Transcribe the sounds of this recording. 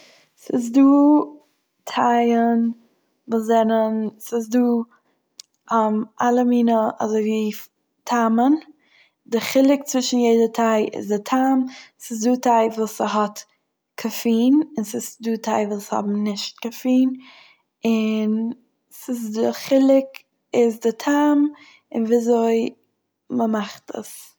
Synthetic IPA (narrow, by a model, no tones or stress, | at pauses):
sɪs̬duː | tʰaɪən | vʊszɛnənsɪsduː | amʔalˠəmiːnəʔa̰zoɪviː | tʰamən | dɪχɪlˠɪk̚t͡svɪʃn̩jeɪdətʰaɪɪ̰zdɪtʰamsɪs̬duːtʰaɪvuːsəɦɔt | kʰəfiːnɪnsɪsduːtʰaɪvuːlˠshɔ̰bm̩nɪʃt̚ɡ̥əfiːn | ɪn | sɪs̬dɪχɪlˠɪk | ɪzdɪtʰaːm | ɪnviːzoɪ | məmaχtʰə̰s